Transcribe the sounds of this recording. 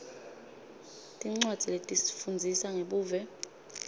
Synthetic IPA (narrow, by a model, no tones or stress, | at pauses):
tʼiŋ͡ǀwad̥d͡z̥ʱiletʼisi̥fund͡zʱisaŋeɓuːvɛ